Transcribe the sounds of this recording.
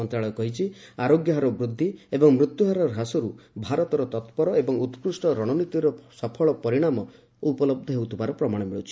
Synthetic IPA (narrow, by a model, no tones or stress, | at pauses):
ɔnt̪ɾaɭɔkɔɦit͡ʃʰiaɾoɡjɔɦaɾɔbɾud̪ʱːiebɔŋmɾut̪juɦaɾɔɾʱasɔɾubʱaɾɔt̪ɔɾɔt̪ɔt̪pɔɾɔebɔŋut̪pɾusʈɔɾɔɽ̃ɔnit̪iɾɔsɔpʰɔɭɔpɔɾiɽ̃amɔ | upɔlɔb̚d̪ʱɔɦewt̪ʰubaɾɔpɾɔmaɽ̃ɔmiɭṵt͡ʃʰi̥